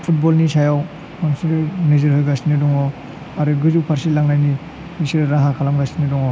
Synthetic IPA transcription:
pʰut̚bɔlnisajaw | mansiɾneziɾhɯjɡasinidɔŋɔ | aɾɯɡɯzupʰaɾsilaŋnajni | nisiɾɾaɦakʰalamɡasinidɔŋɔ

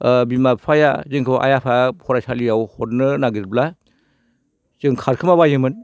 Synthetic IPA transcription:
bimaajazɯŋkʰɯʔa̰japʰapʰɔɾasʰalijawhɔtnɯnaɡiɾbla | zɯŋkʰaɾkʰɯmaβajɯmɯn

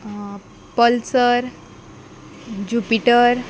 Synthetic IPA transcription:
pəlsəɾ | d͡ʑupiʈəɾ

